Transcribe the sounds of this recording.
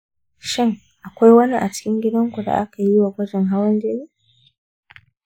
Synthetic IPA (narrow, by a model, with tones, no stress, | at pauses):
ʃɪ˦ŋ | ʔa˨kʷa˦jwɐ˦ni˦ʔa̰˨t͡ʃɪ̥˦kʲɪ˦ŋɡʲɪ˦dɐ˦ŋkʷu˨da̰˨ʔa˦ka˨ji˦wa˨ɡʷɐ˦d͡ʒɛ˨ŋɦa˦wɐ˦nd͡ʒeː˦niː˦